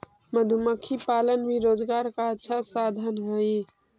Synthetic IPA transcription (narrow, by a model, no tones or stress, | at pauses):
məd̪ʱuməkʰipaːlənbiɾoːd͡ʒɡaːɾkaətːʃʰasaːd̪ʱənɦoi